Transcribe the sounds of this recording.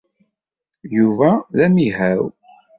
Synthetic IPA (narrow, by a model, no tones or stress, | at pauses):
juvæðæmiɦæw